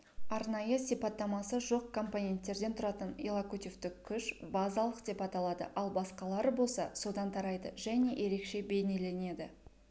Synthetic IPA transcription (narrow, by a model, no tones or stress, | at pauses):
ɑɾnɑjəsijpɑt̪ːɑmɑsəʒo̞q̚kʰo̞mponʲe̞nt̪ːe̞ɾd̪e̞nt̪ʰʊɾɑt̪ənilˠakut̪ʲift̪ɪkkʲʰːʏʃbɑzɑlˠəqd̪e̞pɑt̪ɑlˠɑd̪ə̰ʔɑlˠbɑsqɑlˠɑɾəbo̞lˠsɑso̞d̪ɑnt̪ʰɑɾɑjd̪əʒæne̞jʔe̞ɾe̞kʃe̞be̞jne̞le̞ne̞d̪ɪ